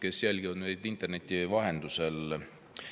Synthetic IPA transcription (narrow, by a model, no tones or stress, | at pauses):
ke̞sjælɡ̥iɑd̪nejd̪int̪ːˑe̞rne̞t̪ʲːˑivɑɦe̞nd̪̥use̞l